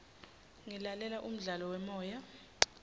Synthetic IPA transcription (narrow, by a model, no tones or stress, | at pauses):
ŋɛlalɛlaʔum̩ɮalɔwɛmɔːja